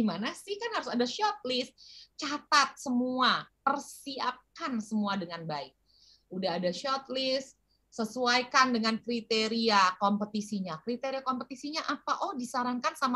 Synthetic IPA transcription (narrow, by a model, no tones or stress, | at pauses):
imanasɪhkanhaɾʊsadaʃɔt̪̚lɪst̪̚t͡ʃat̪at̪̚səmuapərsiap̚kansəmuadəŋanbaɪk̚ | udaɦːdaʃɔt̪̚lɪst̪ | səsuajkandəŋankɾit̪eɾiakompət̪isiɲakɾit̪eɾiakompət̪isiɲaʔapaʔɔhdisaɾaŋkansama